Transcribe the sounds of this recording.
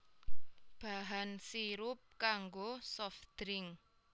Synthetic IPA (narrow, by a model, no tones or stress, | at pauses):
b̥a̤ɦansiɾʊp̚kaŋɡosɔfd̪̥ɾɪŋ